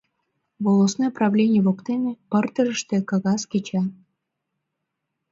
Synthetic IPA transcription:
βolˠosnojprɑβlʲenʲɪjβokt̪enĕpərt̪əɾə̆ʃt̪ĕkɑɣɑsket͡ɕɑ

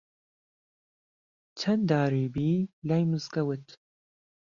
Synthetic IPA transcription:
t͡ʃʰɐnd̪aːɾiːbiːlaːjmɨzkɐwɨt̪ʰ

